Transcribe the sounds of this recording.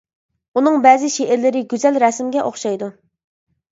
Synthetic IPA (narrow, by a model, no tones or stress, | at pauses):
unɨŋbɛːzɪʃeʔɪɾlɪɾɪɡʲyzɛlɾɛsmɡʲɛʔoχʃɑjd̪u